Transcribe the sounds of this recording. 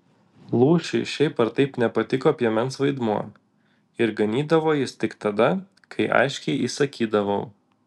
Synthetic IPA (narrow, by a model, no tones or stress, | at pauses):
lˠuːʃʲɪɪʃʲɛɪpɐɾt̪ɐɪpnʲɛpɐt̪ʲɪkoːpʲiɛmʲɛnsʋɐɪd̪muɔ | ɪɾɡɐnʲiːd̪ɐʋoːjɪst̪ʲɪkt̪ɐd̪ɐ | kʰɐɪʔɐ̰ɪʃʲkʲɛɪʔiːsɐkʲiːd̪ɐʋoʊ